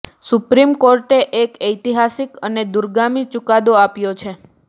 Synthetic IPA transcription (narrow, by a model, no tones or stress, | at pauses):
supɾimkoɾʈeʔekəjt̪iɦasikəned̪uɾɡamit͡ʃukad̪oapjot͡ʃʰe